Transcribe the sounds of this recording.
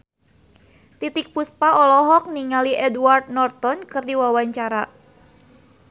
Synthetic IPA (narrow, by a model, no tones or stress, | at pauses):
t̪it̪ik̚puspaʔɔlɔɦɔk̚niŋaliʔɛduart̪̚nɔrt̪ɔnkɨrdiwawaɲt͡ʃaɾa